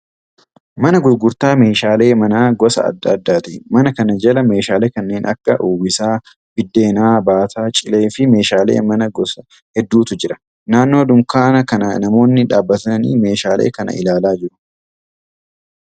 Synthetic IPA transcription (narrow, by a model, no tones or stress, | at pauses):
mɐnɐɡʊɾɡʊɾt̪aːme̞ːʃaːle̞ːmɐnaːɡɔsɐ̰ɐ̰d̪ːad̪ːaːt̪imɐnɐkɐnɐd͡ʒɐlɐme̞ːʃaːleːkɐnːe̞ːnʔɐ̰kːɐʔuːwɪsaː | bɪd̪ːe̞ːnaːbaːt̪ʰaːt͡ʃʼɪle̞ːfɪme̞ːʃaːlḛːmɐnɐɡɔsɐ | hɛd̪ːuːt̪ʊd͡ʒɪɾɐ | naːnːo̞ːd̪ʊŋkaːnɐkɐnɐnɐmo̞ːnːɪᶑa̰ːbːɐt̪ɐnɐnḭːme̞ːʃaːlʔḛːkɐnɐ̰ʔɪ̰laːlaːd͡ʒɪɾʊ̥